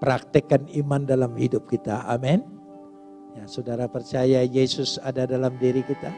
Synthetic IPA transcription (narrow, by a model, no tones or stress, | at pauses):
pɾak̚t̪ikanimandalamhidʊp̚kit̪aʔa̰mɛn | jasudaɾapərt͡ʃajajesʊsadadalamdiɾikit̪a